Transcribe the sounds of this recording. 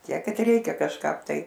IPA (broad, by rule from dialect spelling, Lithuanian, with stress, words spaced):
ˈtʲiɛk ˈkɐt ˈrʲɛɪkʲɛ kɐʃˈkɐp ˈtɐɪ